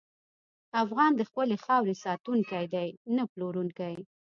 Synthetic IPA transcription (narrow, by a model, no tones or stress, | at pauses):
afɣɑnd̪əxpəlexɑwɾesɑt̪uŋkajd̪ajnaploɾuŋkaj